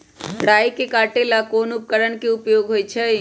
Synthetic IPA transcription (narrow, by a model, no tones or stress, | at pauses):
ɽaːjkekaːʈelakoːnʊp̚kəɾəɳkeʊpjoːɡɦoːjt͡ʃʰɛ